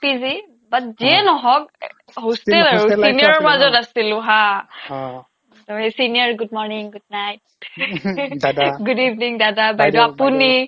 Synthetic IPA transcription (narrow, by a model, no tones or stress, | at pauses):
pizi | batziɛnɔɦɔk̚ | ɦostɛlaɹusinijɔɹɔɹmazɔtasilʊ̃ɦa | toɦesiniɔɹɡud̚mɔɹniŋɡud̚najt̚ | dɡudivniŋdadabajdɔapuni